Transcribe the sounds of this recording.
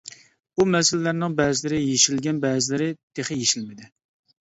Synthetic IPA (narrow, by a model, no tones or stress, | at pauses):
umɛsɪlːæɾnɪŋbɛːzɪlɪɾɪjeʃilɡʲɛnbɛːzɪlɪɾɪd̪̥eχɪjeʃilmɪd̪ɪ